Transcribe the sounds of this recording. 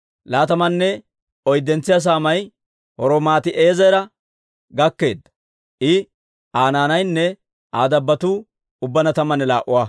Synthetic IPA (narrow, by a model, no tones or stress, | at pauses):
laːt̪ɐmɐnːɛ | ɔjd̪ːɛnt͡sːɪjas̬aːmɐj | hɔɾomaːt̪ɪʔeːzɐjɾɐ | ɡɐkːe̞ːd̪ːɐ | ʔɪ | aːnaːnɐjnːɛ | ʔaːd̪ɐbːɐt̪uː | ʊbːɐnɐt̪ɐmːɐnɛlaːʔʊwaː